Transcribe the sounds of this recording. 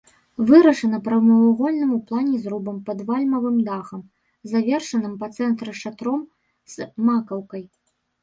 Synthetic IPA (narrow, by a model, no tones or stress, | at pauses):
vɨɾɐʂɐnɐpɾɐwmɐvaɣɔlʲnɨmuplˠanʲɛzɾubɐmpɐd̪valʲmɐvɨmd̪axɐm | zavʲɛrʂɐnɨmpɐt̪sɛnt̪ɾɨʂat̪ɾɔm | z̥makɐwkɐj